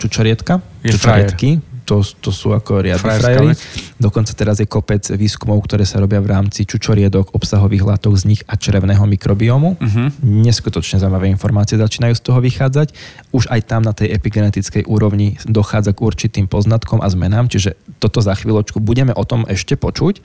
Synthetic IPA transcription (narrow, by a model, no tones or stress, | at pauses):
t͡ʃut͡ʃɔɾɪɛt̪kat͡ʃut͡ʃɾɛt̪kit̪ɔt̪ɔsṵːakɔɾɪad̪ɾajɾid̪ɔkɔnt͡sat̪ɛɾazjɛkɔpɛd͡zʋiːskumɔʊkt̪ɔɾɛːsaɾɔbɪaʋɾaːmt͡sit͡ʃut͡ʃɔɾɪɛd̪ɔɡɔpsaɦɔʋiːɣɦlat̪ɔɡzɲiɣat͡ʃɾɛʊnɛːɦɔmikɾɔbiɔmuɦɲɛskut̪ɔt͡ʃɲɛzaimaʋɛːinfɔɾmaːt͡siɪɛzat͡ʃiːnajuːst̪ɔɦɔʋixaːd͡zacuʒajt̪amnat̪ɛjʔɛpiɡɛnɛt̪it͡skɛjʔuːɾɔʊɲid̪ɔxaːd͡zaɡuɾt͡ʃit̪iːmpɔznat̪kɔmʔa̰zmɛnaːmt͡ʃiʒɛt̪ɔt̪ɔzaxʋiːlˠɔt͡ʃkubuɟɛmɛʔɔt̪ɔmʔɛʃcɛpɔt͡ʃuc